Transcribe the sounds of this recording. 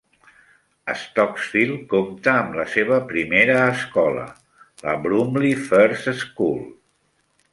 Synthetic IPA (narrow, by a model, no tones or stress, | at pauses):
ə̰st̪ɔksfilˠkomt̪əːmləseβ̞əpɾimeɾəːskɔlə̰ | lə̰bɾumlifəɾsskul